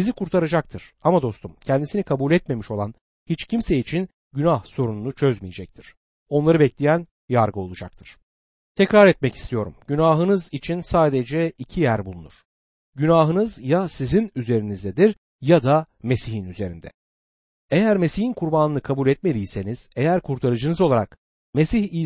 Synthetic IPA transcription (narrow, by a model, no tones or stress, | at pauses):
sizikʰuɾt̪ʰaɾad͡ʒak̚t̪ʰɯɾ̥amad̪o̞st̪umcʰɛnd̪isinikʰabulʲɛt̪me̞miʃo̞lˠan | hit͡ʃcʰimseit͡ʃʰin | ɟynahso̞ɾununut͡ʃʰøzmijed͡ʒɛc̚t̪ʰiɾ̥ | o̞nlˠaɾɯbɛclʲijæn | jaɾɡɯo̞lˠud͡ʒak̚t̪ʰɯɾ̥ | t̪ʰɛcɾaɾɛt̪mɛci̥st̪ʰijo̞ɾṵmɟynaːɦɯnɯzit͡ʃʰinsaːd̪ed͡ʒɛicʰijæɾbulˠunṵɾ̥ | ɟynaːɦɯnɯzjasizinyze̞ɾinizd̪ɛd̪iɾ | jad̪ame̞siɦinyze̞ɾḭnd̪ɛ̰ | ejæɾme̞sihinkʰuɾbaːnɯnɯkʰabulʲɛt̪̚me̞d̪ijse̞niz̥ejæɾkʰuɾt̪ʰaɾɯd͡ʒɯnɯzolˠaɾa̰k | me̞siçi